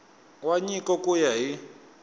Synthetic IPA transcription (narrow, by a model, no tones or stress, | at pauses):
waɲikɔkujaɦi